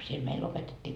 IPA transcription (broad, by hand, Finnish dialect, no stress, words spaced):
siel meil opetetʲːiː